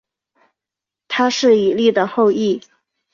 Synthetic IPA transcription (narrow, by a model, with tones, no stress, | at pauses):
t̪ʰa˥ʂɻ̩˥˩i˨˩li˥˩d̪ə˩xo˥˧ʊi˥˩